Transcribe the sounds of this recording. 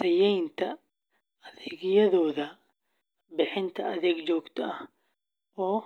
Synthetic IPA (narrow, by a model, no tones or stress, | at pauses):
sʰɐjɛjnt̪ʰɐ | ɐðɛːɡjɐðɔːðɐ | bɪħɪnt̪ʰɐʔɐðɛːɡt͡ʃɔːɡt̪ʰɐʔɐh | ʔɔː